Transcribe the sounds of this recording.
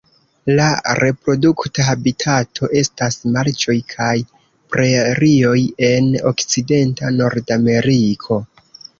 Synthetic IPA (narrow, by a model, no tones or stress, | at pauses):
laɾe̞pɾo̞duktaɦabitʰatʰo̞ʔe̞stasmaɾt͡ʃo̞jkʰaj | pɾe̞ɾio̞je̞no̞̰kt͡side̞ntano̞ɾdame̞ɾikʰo̞